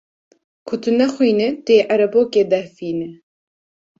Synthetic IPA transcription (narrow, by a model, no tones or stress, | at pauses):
kʰʊt̪ɨnɐxʷijnɨt̪eːʔɐɾɐboːkeːd̪ɛfiːnɨ